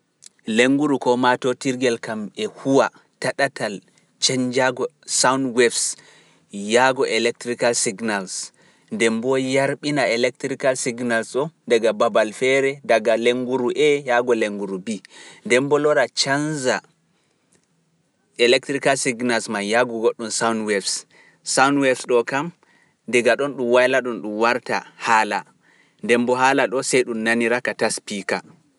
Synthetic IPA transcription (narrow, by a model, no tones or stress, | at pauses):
leŋɡuɾukɔmatɔtiɾɡɛlkamɛhuwa | taɗatal | t͡ʃɛɲd͡ʒaɡɔ | sawndwɛfs | jaɡɔʔɛlɛk̚tɾikalsiɡnals | ndɛmbɔjaɾɓinaɛlɛk̚tɾikalsiɡnalsɔndaɡababalfɛɾɛdaɡaleŋɡuɾuʔɛjaɡɔleŋɡuɾubindɛmbɔlɔɾat͡ʃanza | ʔɛlɛk̚tɾikalsiɡnalsmanjaɡɔɡoɗːumsawnwɛfs | sawnwɛfsɗɔkam | dɛɡaɗɔnɗumwajlaɗunɗumwaɾta̰hala | ndɛmbɔɦaːlaɗɔsɛjɗumnaniɾakataspika